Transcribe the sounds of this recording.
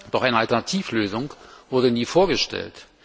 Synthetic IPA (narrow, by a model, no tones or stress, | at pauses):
d̥ɔχʔaɪnəaltɛɐnatʰiːfløːzʊŋvʊɐdəniːfoːɐɡəʃtʰɛ̰lt